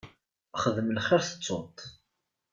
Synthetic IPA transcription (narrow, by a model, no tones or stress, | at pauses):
χəðəməlχɪɾθə̥t͡sːot̪